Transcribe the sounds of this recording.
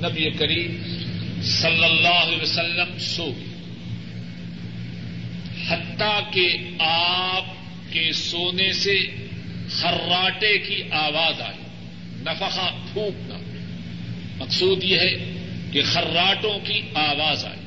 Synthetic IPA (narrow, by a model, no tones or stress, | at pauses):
nɐbiekɐɾiːm | sɐlːəlːaːɦʊlɛːʋəsɐlːəmsoːɡe | hɐt̪ːake | aːp̚ | kesoːnese | xɐrɾːaːʈekiʔaːʋaːza̰ːḛː | nɐfəqapʰũːkna̰ | mɐqsuːd̪jeɦɛkexɐɾːaːʈõkiaːʋaːza̰ːḛː